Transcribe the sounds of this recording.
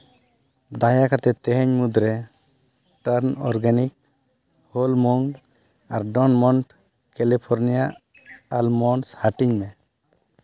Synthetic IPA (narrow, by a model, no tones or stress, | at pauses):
d̪ajakat̪ɛt̪ɛɦɛɲmud̪ɾɛ | ʈəɾnɔɾɡanik̚ | hɔlmɔŋ | aɾɖɔnmɔnʈ | kɛlipʰɔɾnijaʔ | almɔnshaʈiɲmɛ